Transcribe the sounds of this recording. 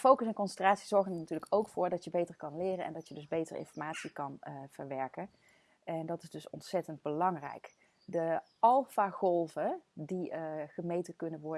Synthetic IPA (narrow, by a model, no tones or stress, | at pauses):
fowkəsɛnkɔnsɛntraːtsiz̥ɔɹɣənənatyːɹləkowkfʊːɹdɑtjəbejtəɹkɑnlɪːrənʔɛ̰ndɑtjədɵzbejtərɪ̰nfɔɹmaːtsikɑnv̥əɹʋɛɹkən | ɛndɑtɪzdɵsɔ̰ntsɛtənd̚bəlɑŋrɛ̰jk | də | ɑlˠfaːχɔlˠvədiəχəmejtəkɵnənʋɔɹ